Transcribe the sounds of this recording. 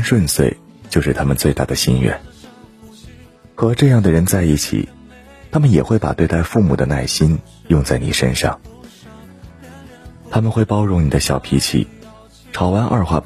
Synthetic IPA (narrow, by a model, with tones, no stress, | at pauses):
ʂwə˥˧nswe˥˩ɪ | t͡ɕjo˥˧ʊʂɻ̩˥˩t̪ʰa˥mə˨nt͡swe˥˧ɪa̰˥˩d̪ə˩ɕḭ˥nɥɛ̰˥˩n | xɤ˧˥ʈ͡ʂɤ˥˧jɑ˥˩ŋd̪ə˩ɻə˧˥nt͡sa˥˧ɪi˥˩t͡ɕʰḭ˨˩ | t̪ʰa˥mə˨njɛ˨˩xwe˥˩ɪpa̰˨˩t̪we˥˧ɪt̪a˥˧ɪfu˥˩mu˨˩d̪ə˦na˥˩ɪɕi˥n | jʊ˥˧ŋt͡sa˥˩ɪnḭ˨˩ʂə̰˥nʂɑ̰˥˩ŋ | t̪ʰa˥mə˨nxwe˥˩ɪpɑ˥ʊɻʊ˧˥ŋni˨˩d̪ə˦ɕjɑ˨˩ʊpʰi˧˥t͡ɕʰḭ˥˩˦ | ʈ͡ʂʰɑ˧˥ʊwa˧˥nʔɐ̰˥˧xwa̰˥˧˩